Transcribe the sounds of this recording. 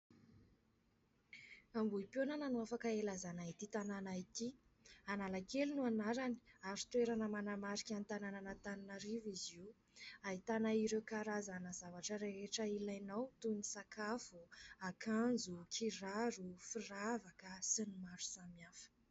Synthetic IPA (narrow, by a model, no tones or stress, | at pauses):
ambuipjonananuafakaelazanait̪it̪ananait̪i | analakelinuanaɾani̥aɾu̥t̪weɾanəmanamaɾikʲant̪anananət̪aninaɾiviziw | ait̪anaiɾewkaɾazanəzavaʈ͡ʂəɾeeʈ͡ʂəilajnawt̪unisakafuakʰand͡zukʰiraɾufiravakəsinimaɾu̥samiafə̥